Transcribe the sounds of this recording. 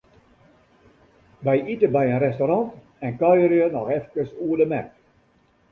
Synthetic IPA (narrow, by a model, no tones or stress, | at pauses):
ʋɛjitəbɛjənrɛstoɾɑnt | ɛnkœjəɾjənɔxɛfkəsuədəmɛt